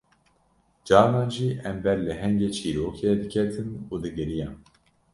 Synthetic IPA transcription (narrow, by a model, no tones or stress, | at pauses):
d͡ʒɑːɾnɑːnʒiːʔɛmbɛɾlɨɦɛŋɡeːt͡ʃʰiːɾoːkʰeːd̪ɨkʰɛt̪ʰɨnuːd̪ɨɡɨɾijɑːn